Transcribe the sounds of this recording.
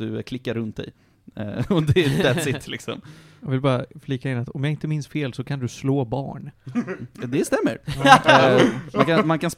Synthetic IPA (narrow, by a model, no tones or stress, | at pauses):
ɵ̰kʰlɪkːaɾːɵnt̪̚d̪ɛ̰j | ɔd̪ɛd̪ɛsɪt̪ʰːlɪksɔ̰mjɑvɪlbɑːɾafliːkaɪnːat̪ɔmjaɪnt̪əmɪnsfeːlsɔkʰand̪ɵsloːbɑ̰ːɳ | d̪ɛst̪ɛmːə̰ɾ | mankanmankʰans